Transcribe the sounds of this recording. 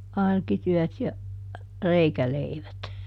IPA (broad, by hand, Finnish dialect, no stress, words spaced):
ɑrkityœˑt jɑ reikæleiʋæt